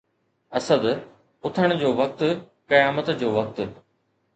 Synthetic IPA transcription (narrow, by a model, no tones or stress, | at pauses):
ɐsəd̪ | ʊt̪ʰəɽ̃̆d͡ʑoːʋɐk̚t̪ | kɐjaːmət̪d͡ʑoːʋɐk̚t̪